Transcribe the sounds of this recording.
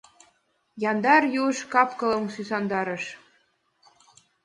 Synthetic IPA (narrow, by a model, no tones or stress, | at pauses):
jɑnd̪ɑrjuʃkɑpkɤ̆lɤ̆msysɑnd̪ɑɾɤ̆ʃ